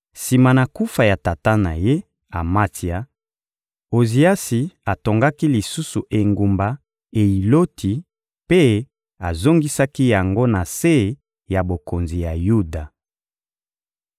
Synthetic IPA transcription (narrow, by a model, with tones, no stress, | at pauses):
si˨ma˨na˨ku˦fa˨ja˨ta˨ta˦na̰˨je˦ | a˨ma˦ti˨a˦ | o˨zi˨a˦si˨a˨to˨ŋɡa˦ki˦li˨su˦su˨ʔe˨ŋɡu˨mba˨ | e˨i˨lo˦tʰi˨ | pe˦ | a˨zo˦ŋɡi˦sa˦ki˦ja˨ŋɡo˦na˨se˦˨ | ja˨bo˨ko˨nzi˨ja˨ju˦da˨